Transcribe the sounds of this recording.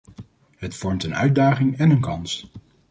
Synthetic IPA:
ɦətfɔɹmtənœ̰ɥd̚daːχɪŋɛnənkɑns

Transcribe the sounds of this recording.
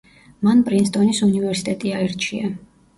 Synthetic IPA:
manpʼɾinst̪ʼɔnisunivɛɾsit̪ʼɛt̪ʼiaɛɾt͡ʃʰia

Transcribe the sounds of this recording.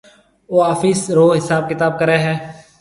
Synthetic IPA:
oːaːfiːsɾoːɦɪsaːb̚kɪt̪aːb̚kəɾeːɦɛː

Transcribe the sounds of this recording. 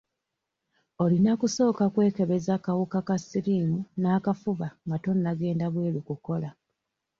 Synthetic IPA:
o̞linakuso̞ːkakwe̞ːke̞βe̞zakawukakasiɾiːmunaːkafuβaŋɡato̞nːaɡe̞ːndaβwe̞ːlikuko̞la

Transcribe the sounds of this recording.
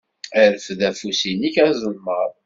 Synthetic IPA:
æɾəfðæfusinikæzˤəlməɾˤ

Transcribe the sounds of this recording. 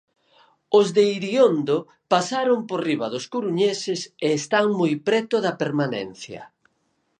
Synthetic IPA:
ʊzðeiɾiond̪o | pasaɾomporiβɐðʊskuɾuɲesɪseːst̪aŋmojpɾɛt̪ʊðɐpeɾmanɛ̰n̟θjɐ̰

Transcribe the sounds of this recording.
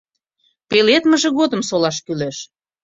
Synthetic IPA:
pelet̪məʒĕɣod̪ə̆msolɑʃkyleʃ

